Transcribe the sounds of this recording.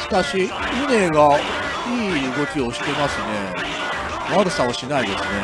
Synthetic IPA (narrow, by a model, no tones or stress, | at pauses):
i̥t̪aɕi | ɯne̞ːɡa | iːɯɡo̞kʲio̞ɕi̥t̪e̞masɨne̞ | βaɾɯsaoɕinaid̪e̞sɨne̞